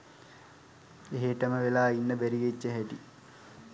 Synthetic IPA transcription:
eɦeʈəməʋelaːinːəbæɾijet͡ɕːəɦɛʈi

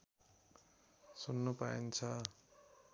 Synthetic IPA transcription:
sunːupaint͡sʰʌ

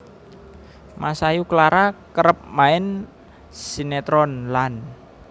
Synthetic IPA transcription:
masajuklaɾakəɾəp̚maɪn | sinet̪ɾɔnlan

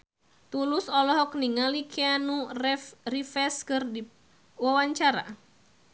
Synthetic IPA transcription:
t̪ulusɔlɔɦɔk̚niŋalikʰianu | rifɛskɨrdi | wawaɲt͡ʃaɾa̰

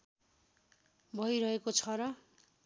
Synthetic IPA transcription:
bʱʌjɾʌɦekot͡sʰʌɾʌ

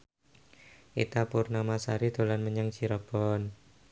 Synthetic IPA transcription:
ʔḭt̪apurnamasaɾid̪̥o̤lanməɲaŋt͡ʃiɾɔb̥ɔn

